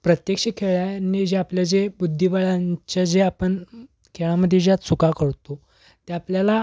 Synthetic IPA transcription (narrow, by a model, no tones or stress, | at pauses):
pɾət̪jekɕekʰeɭjanid͡ʑeapljad͡ʑebud̪ʱːibaɭãɲt͡ɕjad͡ʑeapəɳ | kʰeɭaməd̪ʱːjed͡ʑjat̪sukakəɾt̪o | t̪jaːpljala